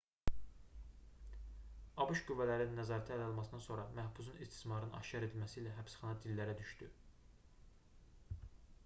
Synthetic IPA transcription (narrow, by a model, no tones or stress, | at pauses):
ɑbuʃɡyvːælæɾninːæzɑːɾæt̪ʰæælæolˠmɑsɯnɑnso̞ɾɑmæhbusunist̪ʰi̥smɑɾnɯnɑ̰ʃcɑɾe̞d̪ilmæsiːlæɦæpsχɑnɑd̪ilːæɾæd̪yʃt̪y